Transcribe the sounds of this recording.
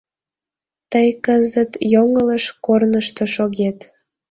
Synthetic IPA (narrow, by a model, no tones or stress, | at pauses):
t̪əjkəzət̪joŋələʃkornəʃt̪oʃoɣet̪